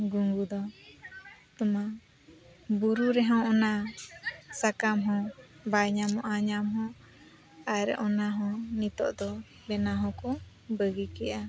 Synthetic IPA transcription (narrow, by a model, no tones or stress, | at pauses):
ɡuŋɡud̪ɔ | t̪ɔma | buɾuɾɛɦãw̃ɔna | sakamɦɔ̃ | bajɲamɔ̃ʔaɲamɦɔ̃ | aɾɛ̰ʔɔnaɦɔ̃nit̪ɔ̰ʔd̪ɔ | bɛnaɦɔ̃kɔ | bəɡikɛʔa